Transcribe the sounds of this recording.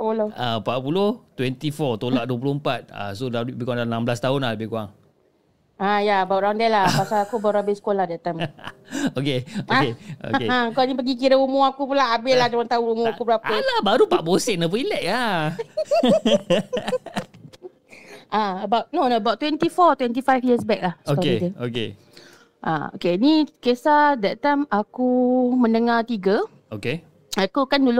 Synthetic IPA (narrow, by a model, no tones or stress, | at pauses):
paʔpuloaəmpaʔ̪̚puloht̪wɛnt̪ifɔt̪olaʔduəp̬uloəmpat̪̚a̰sodabbikwaŋdanãmblast̪aɦʊnlaləbɪhkuaŋ | ajaəbawʔɾandɛlahpasalakubaʔuabɪsə̥kolahdat̪əm | okeokeo̰eakuanĩpəɡik̬iɾəumuakupulaabɪlahd͡ʒəwant̪aʊnumuakubəɾapalabaɾupaʔbosɛnəp̬ilɛʔa | ʔaəbawʔnonoəbawʔt̪wɛnt̪ifɔt̪wɛnt̪̬ifajfjiəsbɛk̚lahsoɔkidəokḛ | ʔa̰o̰kenikesadaʔt̪amakumə̃nəŋat̪iɡə | oke | akukandulʊ